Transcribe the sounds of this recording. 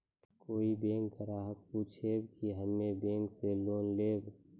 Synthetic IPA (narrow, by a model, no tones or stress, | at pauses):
koːibẽːŋɡkəɾaːɦək̚puːt͡ʃʰeːbkiɦəmmẽbẽːŋɡseloːnleːb